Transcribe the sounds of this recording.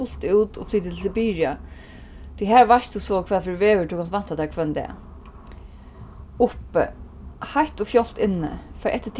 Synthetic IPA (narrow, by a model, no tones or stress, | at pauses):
ʊl̥t̪uwt̪ɔ̰fliːt̪ɪt̪l̩s̬əbiːɹja | t̪ʰijɦæːɹʋaʂt̪usɔkʰʋɛːðfɪɹʋeːʋətʰuːkʰansʋan̥t̪at̪ɛːɹkʰvœnd̪ɛ̰ | ʊpə̰ | hajht̪ʊfjɔl̥t̪ɪnːə̰faːɾʔɛht̪ːət̪ʰ